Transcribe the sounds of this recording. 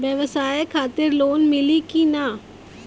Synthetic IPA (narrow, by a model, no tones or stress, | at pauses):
ʋjəʋəsaːjekʰaːt̪ɪɾloːnmɪlikina